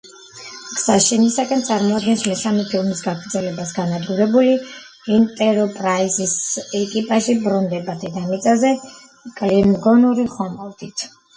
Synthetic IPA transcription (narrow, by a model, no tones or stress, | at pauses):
ksaʃinisakʼɛnt̪sʼaɾmɔad̪ɡɛnsmɛsamɛpʰilˠmisɡaɡʰvɾt̪zɛlɛbasɡanad̪ɡuɾɛbuli | int̪ʼɛɾɔpʼɾaizisɛkʼipʼaʃibɾɔnd̪ɛbad̪ʰɛd̪amit̪sʼazɛ | kʼlimɡɔnuɾiχɔmɔvd̪it̪ʰ